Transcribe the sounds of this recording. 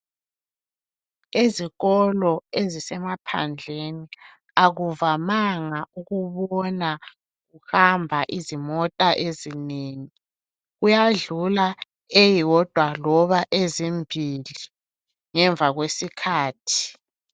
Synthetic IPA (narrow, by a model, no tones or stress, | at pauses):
eziɣɔlɔezisɛmapʰa̰nd͡ɮʱeni | aɣuvamaŋauɣuβɔna | ɣuhambʱaʔizimɔtʼaʔezineːŋi | ɣujaɮula | ejiwɔd̥ʱwalɔβaʔezimbʱili | ŋɛɱvʱaɣwesikʰaːtʰi̥